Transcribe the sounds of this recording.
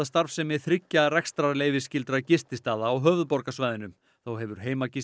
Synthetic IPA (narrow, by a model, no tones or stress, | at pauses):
ast̪aɾvfsɛmːɪðθɾɪcːarɛkst̪ɾaleːjvɪscɪlt̪ɾacɪst̪ɪst̪aːðaːwɦœːvʏðpɔɾkasvaːjðɪnʏm | θowɦɛvʏɾ̥ɦeːjmacɪ